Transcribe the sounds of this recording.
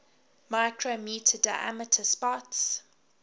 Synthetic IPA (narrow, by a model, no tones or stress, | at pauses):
maɪkʰɹomjiːˑtʰədaɪʔa̰mətʰəspɔts